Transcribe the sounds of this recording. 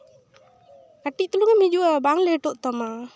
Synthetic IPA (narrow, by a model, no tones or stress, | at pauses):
kaʈiʔt̪uluŋamid͡ʒuabaŋlɛʈɔʔt̪ɔma